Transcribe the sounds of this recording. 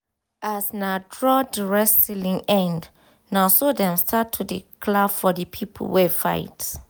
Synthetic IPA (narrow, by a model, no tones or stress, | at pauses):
asnadɹɔdɹɛstilĩŋɛ̃nd | nasodɛ̃mstʰatʰudḭkʰlabfɔdəpʰipʰo̰l̩wɛfa̰ɪt